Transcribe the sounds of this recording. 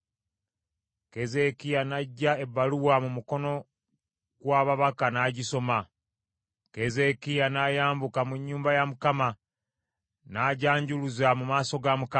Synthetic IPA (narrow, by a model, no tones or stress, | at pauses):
ke̞ze̞kijanaɟːae̞bːaluwamumuko̞no̞ | ɡ̥waːβaβakanaːɟiso̞ma | ke̞ze̞kijanaːjaːmbukamuɲːuːmbajamukama | naːɟaːɲɟuluzamumaːso̞ɡamuka